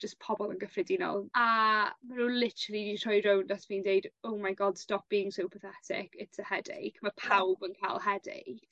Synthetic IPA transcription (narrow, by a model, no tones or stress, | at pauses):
d͡ʒ̥əspʰɔbɔlˠənɡəfrɪdinɔ̰lˠamanuːlɪtəɾəlˠiditʰɔjɾowndasviːndejdowmajɡɔd̥stɔp̚b̥iːɪ̃ŋsowpʰəθɛtʰɪ̰kʰɪtsəhɛdḛjkʰmapʰawbənkʰaːlˠhɛdḛj